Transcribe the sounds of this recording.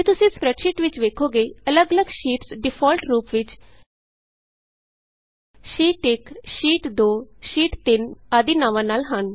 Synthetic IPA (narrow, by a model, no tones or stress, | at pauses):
eːt̪ʊsẽːspɾɛʈʃɪʈʋɪt͡ʃʋeːkʰoːɡeːələɡələɡʃiːʈsɖɪpʰɔːlʈɾuːpʋɪt͡ʃ | ʃiːʈɪkʃiːʈd̪oːʃiːʈt̪ɪnaːd̪iːnaːʋãːnaːlɦən